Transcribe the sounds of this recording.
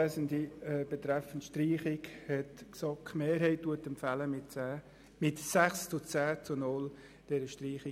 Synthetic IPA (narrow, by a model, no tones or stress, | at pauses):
æzəndiɛb̥ɛt̪ɾɛfəntʃtriːχɪkhɛtksɑːkχmeːɾɦɛɪt̚duətɛmpfæləmɪtː | mɪtsæχst͡sʊt͡sæːt͡sʊnʊl | d̥ɛɾəʃtriːχɪ